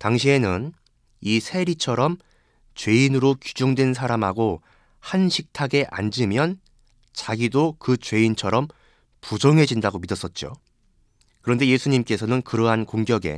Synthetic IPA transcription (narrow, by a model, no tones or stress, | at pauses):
taŋɕʰie̞nɯn | isʰe̞ɾit͡ɕʰʌɾʌm | t͡ɕwe̞inɯɾokud͡ʑuŋdwe̞ns̬ʰaɾamɦaɡo | hanɕʰik̚tʰaɡe̞ʔa̰nd͡ʑɯmjʌn | t͡ɕaɡidokɯt͡ɕwe̞int͡ɕʰʌɾʌm | pud͡ʑʌŋɦe̞d͡ʑindaɡomidʌs͈ʌt̚t͡ɕ͈o̰ | kɯɾʌnde̞je̞sʰuɲimk͈e̞sʰʌnɯnkɯɾʌɦankoŋɡjʌɡe̞̰